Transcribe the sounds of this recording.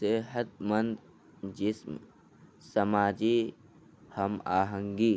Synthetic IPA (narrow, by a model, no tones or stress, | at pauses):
seɦət̪̚mənd̪ | d͡ʒɪsm | sɐmaːd͡ʒi | hɐmaːɦə̃ŋɡiː